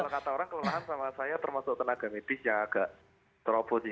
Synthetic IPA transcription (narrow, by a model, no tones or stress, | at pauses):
alokat̪aoɾaŋkələlaɦansamasajat̪ərmasʊk̚t̪ənaɡ̥a̤med̪̥ɪsjaŋaɡ̥aʔ | t̪əɾɔb̥ɔt̪